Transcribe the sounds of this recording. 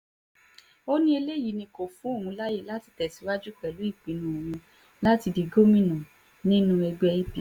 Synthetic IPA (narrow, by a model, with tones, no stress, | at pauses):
o˦nĩ˦e˧le˦ji˨˦nĩ˧ko˨fũ˨˦o˦˨ũ˧la˦je˦˨la˦ti̥˧tɛ˨si˨˦wa˦d͡ʒu˦k͡pɛ˨lu˨˦i˦˨k͡pi˨˦nũ˨˧o˨wũ˧ | la˦ti˧di˨˧ɡo˦mĩ˦nɔ̃˨ | nĩ˦nũ˧ɛ˧ɡ͡bɛ˧i˦pi˨